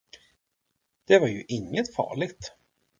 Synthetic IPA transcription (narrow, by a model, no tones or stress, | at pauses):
d̪̥ɛvaɾjɵʔɪŋːət̪fɑ̰ːɭɪɡt̪